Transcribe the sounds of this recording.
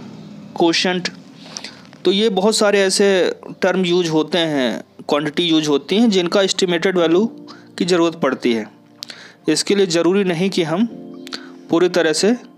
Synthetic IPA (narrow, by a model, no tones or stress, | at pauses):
koːʃə̃ɳʈ | t̪ojebɐɦʊt̪saːɾeɛːseʈɐɾmjuːd͡ʒɦoːt̪eɦɛ̰̃kwãːɳʈɪʈijuːd͡ʒɦoːt̪iɦɛ̃d͡ʒɪnkaɪsʈɪmeːʈeɖʋɛːljukizɐɾuːɾət̪̚pɐɽt̪iɦɛ̃ː | ɪskeliezɐɾuːɾinɐɦĩkiɦɐm | puːɾit̪ɐɾəɦse